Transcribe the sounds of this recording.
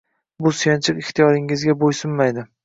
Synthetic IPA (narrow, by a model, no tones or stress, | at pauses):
bʊsjant͡ʃʰɪqɪht̪ʰijɒɾɪŋɪzɡʲabojsʊnmajd̪ɪ